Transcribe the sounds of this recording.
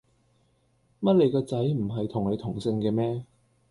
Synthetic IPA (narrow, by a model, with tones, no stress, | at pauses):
mɐ˥t̚le˨˧jkɔː˧t͡sɐ˨˥jm̩˨˩ɦɐ˨jt̪ʰʊ˨˩ŋle˨˧jt̪ʰʊ˨˩ŋsɪ˧ŋkɛː˧mɛː˥